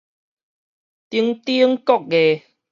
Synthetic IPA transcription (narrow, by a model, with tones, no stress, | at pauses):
t̪i˧ŋt̪i˦ə˦ŋkɔ˦˨k̚ɡe˨